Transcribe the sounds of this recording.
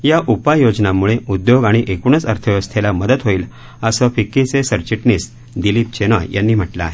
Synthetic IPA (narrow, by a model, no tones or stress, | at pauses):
jaʔupajod͡ʑnamuɭeud̪joɡaɽ̃iʔekuɳət͡səɾt̪ʰəʋəst̪ʰelaməd̪ət̪ɦoiːl | əsəfikːit͡sesəɾt͡ɕiʈniːs | d̪ilip̚t͡ɕenəjjʔa̰nːiːm̤əʈlaːɦe